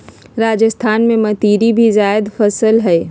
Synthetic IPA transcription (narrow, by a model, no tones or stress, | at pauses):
ɾaːd͡ʒəst̪ʰaːnmẽmɐt̪iːɾibʱizaːɪd̪fəsəlɦɛe